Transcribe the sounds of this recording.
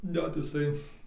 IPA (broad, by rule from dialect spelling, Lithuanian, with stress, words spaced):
ˈnʲɛt ɪˈsɐɪ